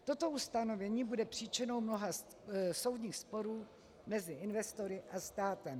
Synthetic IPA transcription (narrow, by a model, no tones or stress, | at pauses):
t̪o̞t̪o̞ust̪ano̞vɛɲiːbudɛpr̥iːt͡ʃɪno̞wmno̞ɦa | so̞wd̪ɲiːxspo̞ɾuː | mɛzɪɪnvɛst̪o̞ɾɪʔast̪aːt̪ɛm